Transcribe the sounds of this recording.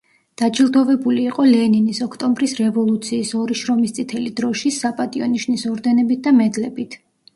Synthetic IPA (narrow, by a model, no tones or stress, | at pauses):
d̪̥ad͡ʒilˠd̪ɔvɛbuliːqʼɔlɛninisɔkʰt̪ʼɔmbɾisɾɛvɔlˠut̪sʰiːsɔɾiʃɾɔmist̪sʼit̪ʰɛlid̪ɾɔʃisapʼat̪ʼiɔniʃnisɔɾd̪ɛnɛbit̪̚d̪amɛd̪lɛbit̪ʰ